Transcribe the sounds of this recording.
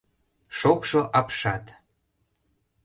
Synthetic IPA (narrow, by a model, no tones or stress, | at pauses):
ʃokʃoʔɑpʃɑt̪